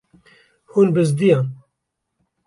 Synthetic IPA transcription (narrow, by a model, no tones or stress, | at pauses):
hunbɨzd̪ijãn